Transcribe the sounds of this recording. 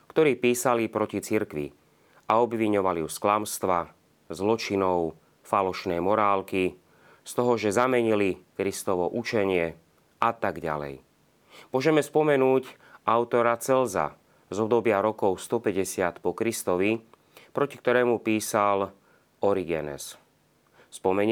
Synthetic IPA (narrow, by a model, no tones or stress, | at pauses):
kt̪ɔɾiːpiːsalipɾɔcit͡siɾkʋḭ | aɔbʋiɲɔʋaliusklamst̪ʋa | zlɔt͡ʃinɔʊ | falɔʃnɛjmɔɾaːlki | st̪ɔɦɔʒɛzamɛɲilikɾist̪ɔʋɔʔut͡ʃɛɲɪɛ | at̪aɡɟa̰lɛ̰j | mʊɔʒɛmɛspɔmɛnuːc | ʔaʊt̪ɔɾat͡sɛlza̰ | zɔbd̪ɔbɪaɾɔkɔʊst̪ɔpɛɟɛsɪat̪pɔkɾist̪ɔʋi | pɾɔci̥kt̪ɔɾɛːmupiːsal | ɔɾiɡɛ̰nɛ̰s | spɔmɛ